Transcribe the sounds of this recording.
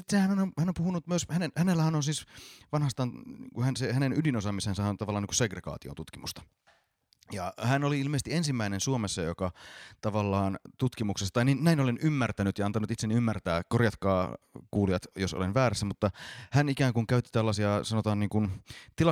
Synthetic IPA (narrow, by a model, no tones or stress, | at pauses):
it̪ːsehænnomhænompuhunut̪myøshænenhænelːæhænonsiːsʋɑnhɑst̪ɑːnŋkuhænsehænenydinosɑmisensæhænont̪ɑʋɑlːɑːniŋku̥seɡreɡ̥ɑ̰ːt̪io̰nt̪ut̪kimust̪ɑ̥ | jɑhænoliilmeːst̪iensimːæinensuomesːɑjokɑt̪ɑʋɑlːɑːnt̪ut̪kimuksest̪ɑt̪ɑininnæinolenymːært̪ænyt̪jɑɑnt̪ɑnut̪it̪seniymːært̪æːkorjɑt̪kɑːkuːliɑt̪joso̰lenʋæːɾæsːæmut̪ːɑhænikæːŋkuŋkæyt̪ːi̥t̪ælːɑsiɑsɑnot̪ɑːnniːŋkunt̪ilɑ